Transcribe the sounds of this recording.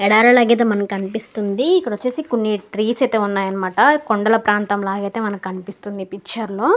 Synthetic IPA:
ɛɽaːɾɐlaːɡet̪̬eːmɐnɐmkɐnipist̪und̪iːkːɐɽʋɐt͡ʃːeːsikunːiʈɾiːsɐjt̪e̞ːunːaːjɐnɐmaːʈɐkoɳɖɐlɐpɾaːnt̪ɐmlaːɡɐjt̪e̞ːmɐnɐmkɐnipist̪und̪ipit͡ʃːɐɾloː

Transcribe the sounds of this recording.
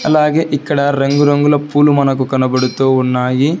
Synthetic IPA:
ɐ̰lːaːɡeːʔikːɐɽɐɾɐŋɡuɾɐŋɡulɐpuːlumɐnɐk̬ːukɐnɐbɐɽut̪ːuunːaːɡi

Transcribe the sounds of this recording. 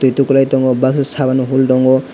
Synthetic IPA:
t̪ujt̪ukulajt̪ɔŋɡɔbakssabanɦultɔŋɡɔ

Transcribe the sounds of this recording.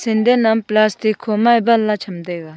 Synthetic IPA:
sʰend̪enːamplast̪ekʰomabalːat͡ɕʰamd̪ek

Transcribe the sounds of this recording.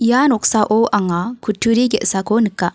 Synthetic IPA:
janoksaʔoʔaŋakʰutːuɾiɡeʔsakonikːa

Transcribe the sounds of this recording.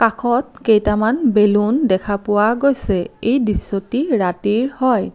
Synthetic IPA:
kakʰɔt̚kejtamanbelundɛkʰapʊwaɡojsɛejdisːotiɹatiɹhɔj

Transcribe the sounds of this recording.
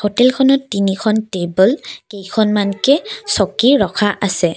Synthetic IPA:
hotɛlkʰɔnɔtːinikʰɔntebɔlkejkʰɔnmankɛsɔkiɹɔkʰaʔasɛ

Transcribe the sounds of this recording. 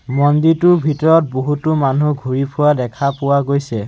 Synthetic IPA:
mɔnditʊbʱitɔɹɔt̚boɦutʊmanuɡʱuɹipʰʊwadɛkʰapʊwaɡojsɛ

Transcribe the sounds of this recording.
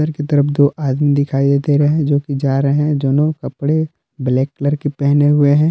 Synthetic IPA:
əɾket̪ɐɾəpʰd̪oːʔaːd̪mid̪ɪkʰaːid̪eːt̪eɾɐɦɛ̃d͡ʒoːkid͡ʒaːɾɐɦɦɛ̃d͡ʒoːnõkɐpɽe | blɛːkːləɾkepɛɦneɦʊeɦɛ̃ː

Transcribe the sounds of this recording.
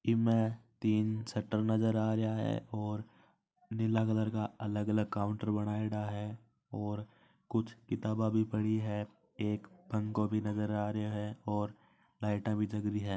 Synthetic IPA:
ɪmẽt̪iːnsɛʈːəɾnɐzəɾaːɾjaɦɛ̰ɔːɾ | nɪlaɡəd̪əɾkaɐləɡɐləɡ̚kaːʊ̃ɳʈəɾbɐɽ̃aːeɽaɦɛ | ɔːɾ | kʊt͡ʃʰkɪt̪aːbãbʱipɐɽiɦɛ | eːkbʱɐ̃ŋkobʱinɐzəɾaːɾəeɦɛɔːɾ | laːɪʈãbʱid͡ʒɐɡɾiɦɛː

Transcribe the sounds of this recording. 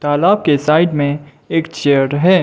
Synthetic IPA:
t̪aːlaːb̚kesaːɪɖmẽ | eːkt͡ʃeːəɾɦɛː

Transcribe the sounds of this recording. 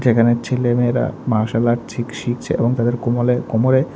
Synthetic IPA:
d͡ʑekʰanet͡ɕʰelemeɾa̰maʃalaʈ̚tʰikʃik̚t͡ɕʰeḛboŋt̪ad̪eɾkomolekomoɾe

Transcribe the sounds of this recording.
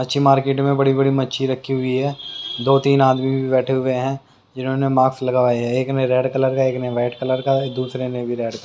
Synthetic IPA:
mɐtːʃʰimaːɾkeːʈmẽbɐɽibɐɽimɐtːʃʰiɾɐkʰːiɦʊiɦɛːd̪oːt̪iːnaːd̪mibbʱibɛːʈʰeɦʊeɦɛ̃ː | d͡ʒɪnõːnemaːkslɐɡaːʋaːeɦɛeːknɐɾɛːɖkɐləɾkaeːknʋaːɪʈkɐləɾkad̪uːsɾenɐbʱiɾɛːɖk

